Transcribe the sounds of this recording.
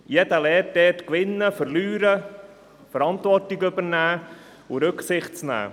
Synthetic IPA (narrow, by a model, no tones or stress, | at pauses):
jɛd̪əlɛːtdɛːtkʋɪnːəfəɾlyːɾə | fəɾɑnt̪ʋɔrtiɡɵbəɾnæː | ʊɾɵksɪχtt͡snæ̰ː